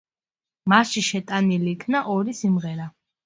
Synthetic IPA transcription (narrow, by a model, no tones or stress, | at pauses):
masʃiʃɛt̪ʼaniliːkʰnaʔɔɾisimʁɛɾa